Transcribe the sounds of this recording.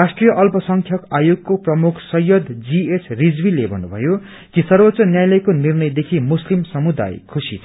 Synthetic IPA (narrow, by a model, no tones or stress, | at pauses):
rasʈrijʌʔʌlpʌsʌŋkʰjʌkajoɡ̚koprʌmukʰsʌjːʌd̪d͡ziesʰrid͡zbilebʱʌnːubʱʌ̰jo | kisʌrbʌt̪ːt͡sʌnjajlʌjkonirnʌjd̪ekʰimuslimsʌmud̪a̰jkʰusḭ